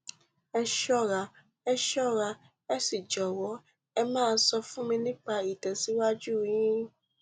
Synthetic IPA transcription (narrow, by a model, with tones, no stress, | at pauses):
ɛ˧ʃɔ˦ɾa˧ | ɛ˧ʃɔ˦˨ɾa˧ | ɛ˦si˦˨d͡ʒɔ˨wɔ˨˦ | ɛ˧mãː˦˧˦sɔ˧fũ˦mĩ˧nĩ˦k͡pa˧i˨tɛ˨si˨˦wa˦d͡ʒu˦˨ĩ˨˦ĩ˦